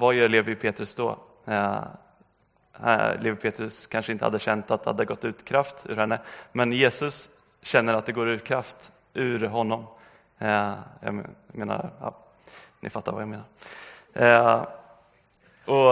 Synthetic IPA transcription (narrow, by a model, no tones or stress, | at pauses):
vajœːɭeːvɪpʰeːt̪ɾɵsd̪ɔ̰ | leːvɪpʰeːt̪ɾɵskʰanʂəɪnt̪əha̰d̪ːəɕɛnt̪at̪d̪ha̰d̪ːəɡɔt̪ːʉ̟ːt̪kʰɾaft̪ʉ̰ːɾhɛnːəmɛnjeːsɵs | ɕɛnːəɾat̪̚d̪ɛɡoːɾʉ̟ːt̪̚kʰɾaft̪ | ʉːɾɦɔnːɔm | ja̰meːna̰ɾjɑ̰ː | nʔɪ̰fat̪ːaɾva̰jameːnaɾ | ɔ